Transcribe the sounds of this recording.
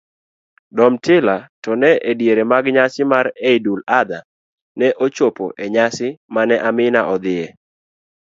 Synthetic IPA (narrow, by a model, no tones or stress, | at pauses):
dɔmtɪlatɔnɛʔedjeɾemaɡɲasɪmaɾeidulad̪a | nɛʔot͡ʃopo̰ʔeɲasɪmanɛʔamɪnaʔɔd̪ɪe